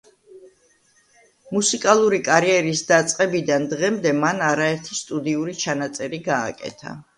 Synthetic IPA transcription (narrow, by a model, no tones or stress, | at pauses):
musikʼalˠuɾikʼaɾiɛɾisd̪at̪sʼqʼɛbid̪and̪ʁɛmd̪ɛmanaɾaɛɾt̪ʰist̪ʼud̪iuɾit͡ʃʰanat̪sʼɛɾiɡa̰ːkʼɛ̰t̪ʰa̰